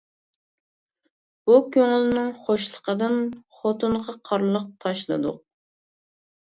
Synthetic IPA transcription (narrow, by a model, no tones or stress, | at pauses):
b̥ukʲʰøŋlnɪŋχoʃlˠəqəd̪ɨnχot̪ʰunʁɑqʰɑɾlˠəq̚t̪ʰɑʃlˠɨ̰d̪ʊ̰q̚